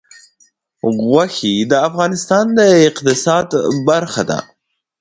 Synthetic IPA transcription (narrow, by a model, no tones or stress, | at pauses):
ɣwaxid̪əafɣɑnɪst̪ɑnd̪əɪqt̪ɪsɑd̪baɾxad̪a̰